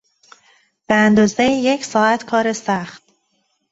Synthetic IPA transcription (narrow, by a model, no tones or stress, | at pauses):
b̥eænd̪ɒːzejejecʰsɒːæt̪ʰkʰɒːɾesæχt̪̚